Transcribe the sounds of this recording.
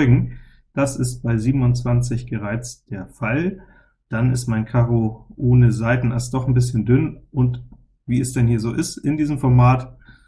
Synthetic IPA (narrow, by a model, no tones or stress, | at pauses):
ʏɡŋ̩ | d̥asɪst̚b̥aɪziːbm̩ʊntt͡sv̥ant͡sɪçɡ̥əʁaɪt͡sd̥eːɐfal | d̥anɪstmaɪnkʰaʁoʔoːnəzaɪtn̩ɛɐstd̥ɔχn̩bɪsçəndʏnʔʊnt | viːɛsd̥ɛnhiːɐzoːʔɪstʔɪndiːzəmfɔɐmaːt